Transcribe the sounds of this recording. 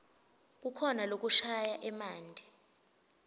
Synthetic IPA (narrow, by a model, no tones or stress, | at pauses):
k̬ukʰɔnalok̬uʃajaʔɛmaːndʱi